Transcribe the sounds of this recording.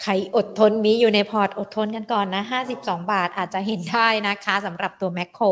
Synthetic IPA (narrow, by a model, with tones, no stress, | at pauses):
kʰa˧˩jʔo˨˩t̪ʰːo˧nmiː˦˥juː˨˩na˧jpʰɔː˧˩t̪̚ʔo˨˩t̪ʰːo˧nka˧nkɔː˨˩nːa˦˥ɦaː˥˩si˨˩p̚sɔː˩˦ŋbaː˨˩t̪̚ʔaː˨˩t̪̚t͡ɕa˨˩ɦe˩˦ndaː˥˩jna˦˥kʰa˦˥sa˩˦mɾa˨˩p̚t̪u˧ɐmɛ˦˥kʰːoː˧˩